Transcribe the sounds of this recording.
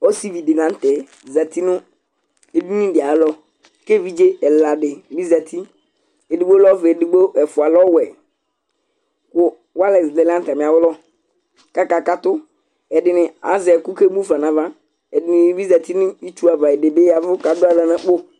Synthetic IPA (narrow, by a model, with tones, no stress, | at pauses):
ɔ˦si˦vi˨dɪ˨nã˨˦n̩˦tɛ˨ | za˨t̪i˦nʊ̃˦ | e˨du˦nĩ˦dɪ˨a˨lɔ˦ | ke˦vi˦d͡ʒe˦ɛ˨la˨dɪ˨bi˦za˨t̪ʰi˦ | e˨di˨bo˦lɔ˦vɛ˨dɪ˨ɡ͡bo˦ɛ˨fʊ˨a˨lɔ˦wɛ˨ | kʊ˦ | wa˦lɛ˨zɪ˨dɛ˨la˦n̩˦ta˨mɪ̃˨a˨wʊ˦lɔ˦ | ka˦ka˨ka˦t̪ʊ˦ | ɛ˨dɪ˨nɪ̃˨a̰˨zɛ˨ɛ˨kʊ˦ke˦bu˦fa˨nã˨va˦ | ɛ˨dɪ˨nɪ̃˨˦bi˦za˨t̪i˦nɪ̃˦i˦t͡ʃu˦a˨va˨ɛ˨dɪ˨bɪ˦ja˨vʊ˦ka˨dʊ˦a˦la˨nã˦k͡pʊ˦